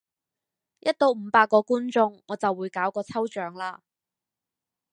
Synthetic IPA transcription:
jɐ˥t̚t̪o˨˧wm̩˨˧˦paː˧kːɔː˧kuː˥nt͡sʊ˧ŋːɔː˨˧t͡sɐ˨wːuː˨˧jkaː˨˥wkɔː˧t͡sʰɐ˥wt͡ʃœː˨˥ŋlaː˧

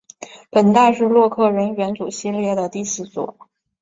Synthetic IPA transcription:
pə˨˩nt̪a˥˧ʂɻ̩˥˧lwɔ˥˧kʰɤ˥˩ɻə˧˥nɥɛ˧˥nt͡su˨˩ɕi˥˧ljɛ˥˩d̪ə˩t̪i˥˩ɕ̩˧˥˩swɔ̰˨˩˦

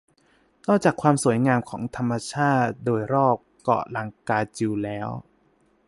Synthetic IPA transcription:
nɔː˥˩t͡ɕaː˨˩kʰwaː˧msu˨˩˦jŋaː˧mkʰɔː˩˦ŋt̪ʰa˧mːa˧t͡ɕʰaː˥˩t̪̚doː˧jɾɔː˥˩p̚kɔ̰˨˩la˧ŋkaː˧t͡ɕi˧wlɛː˦˥w

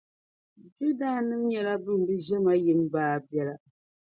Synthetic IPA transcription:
d͡ʒu˦da˦nɨ˦mɲɛ˨la˦bɨ˦m̩˨bɨ˦ʒɛ˦ma˦jɨ˨m˦baː˦˨bjɛ˦la˨

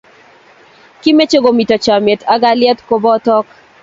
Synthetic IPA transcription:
ki˦me˦t͡ʃo˦ɡo˨mi˨tɔ˨t͡ʃa˨me˨tʰa˦ɡa˦ljɛ˦t̪ko˦bɔ˦tɔ˦k

